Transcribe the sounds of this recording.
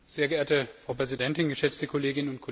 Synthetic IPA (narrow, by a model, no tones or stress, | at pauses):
z̥eːɐɡəʔeːɐtəfʁ̥aʊpʁ̥ɛzidɛntɪnɡəʃɛt͡stəkʰoleːɡɪnnʊntkʰo